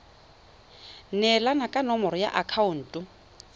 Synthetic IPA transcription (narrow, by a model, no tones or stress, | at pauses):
nɛlanakʼanɔmɔɾɔja̰ʔakʰaʊn̩ːtʼʊ